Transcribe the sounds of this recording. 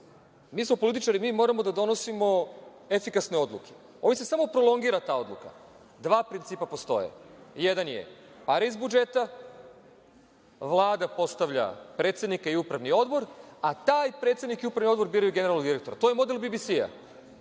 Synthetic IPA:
miːsmo̞polit̪it͡ʃaɾimiːmo̞ːɾamo̞d̪ad̪o̞no̞simo̞ | e̞fikasne̞o̞d̪lṵkʰe | o̞̰ʋisesamo̞pɾo̞lˠo̞ŋɡiːɾat̪aːo̞d̪lṵka̰ | d̪ʋaːpɾint̪siːpapo̞st̪o̞̰jḛje̞d̪anjḛpaɾaizbud͡ʒe̞t̪a | ʋlˠaːd̪apo̞st̪aʋʎa̰pɾe̞t̪se̞d̪nikaiupɾaʋnio̞d̪bo̞ɾat̪aːjpɾet̪se̞d̪nikiupɾaʋnio̞d̪bo̞ɾbiːɾajuɡeneɾalnoɡd̪iɾe̞k̚t̪o̞ɾat̪ojemo̞d̪e̞lˠbibisia̰

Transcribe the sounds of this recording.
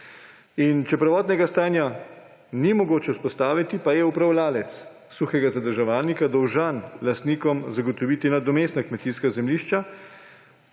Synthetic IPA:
int͡ʃɛpɾaʋɔːt̪nɛɡast̪aːnja | nimɔɡoːt͡ʃɛuspɔst̪aːʋit̪ipajɛupɾawlaːlɛt̪s | suxɛɡazad̪əɾʒɛʋaːlnikad̪ɔwʒanlast̪niːkɔmzaɡɔt̪ɔʋiːt̪inad̪ɔmeːst̪nakmɛt̪iːskazɛmliːʃt͡ʃa

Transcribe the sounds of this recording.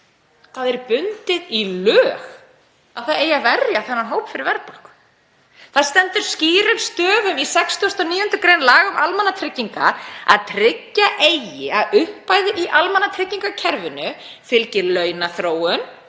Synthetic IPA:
θaðɛɾpʏnt̪ɪðilœːɣ | aðθaðejavɛrjaθanːanɦoːwpfɪɾɪɾvɛɾpɔl̥k | θaðst̪ɛnt̪ʏɾ̥sciːɾʏmst̪œːvʏmisɛkst̪uast̪aniːjʏnt̪ʏkɾejnlaːɣʏma̰lmanat̪ʰɾɪcːiŋka̰a̰ðt̪ʰɾɪcːaʔejɪaðʏhpːaːjðɪɾʔiʔalmanat̪ʰɾɪcːiŋkacʰɛɾvʏnʏ | fɪlcɪlœːɥnaθɾoːwʏn

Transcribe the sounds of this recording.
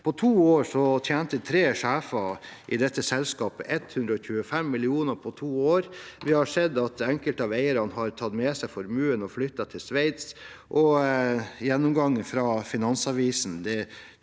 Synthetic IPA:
pʰɔt̪ʰuːoːɾsɔt̪ʰjæːnt̪ət̪ʰɾeːʂæːfɑʔɪd̪ɛt̪ːəsɛlskɑːpəʔɛt̪hʉnd̪ɾəɔçʉːəfɛmːɪlɪuːnəpʰɔt̪ʰuːoːɾʋɪhɑʂɛd̪ːɑt̪æŋkəlt̪ɑʋeɪəɾɑnhɑɾt̪ʰɑt̪mɛsæɪfɔɾmʉːənɔflʏt̪ːɑt̪ʰɪlsʋeɪt̪s | ʔɔ | jɛnːʊmɡɑŋːənfɾɑfɪnɑnsɑʋiːsn̩d̪ɛ

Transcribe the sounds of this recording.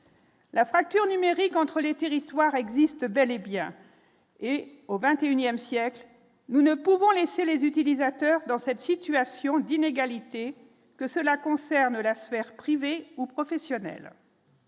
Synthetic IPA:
lʔafχak̚t̪yʁnymeʁikɑ̃t̪χəlet̪eʁit̪waʁɛɡzist̪bɛlebjɛ̃ | eovɛ̃t̪eynjɛmsjɛkl | nunəpuvɔ̃leselezyt̪ilizat̪œʁd̪ɑ̃sɛt̪sit̪yasjɔ̃d̪ineɡalit̪e | kəsəlakɔ̃sɛʁnlasfɛʁpχiveupχɔfɛsjɔnɛ̰l

